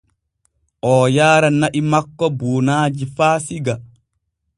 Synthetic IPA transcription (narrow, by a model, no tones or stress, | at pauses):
ʔɔːjaːɾanaʔimakːɔbuːnaːd͡ʒifaːsiɡa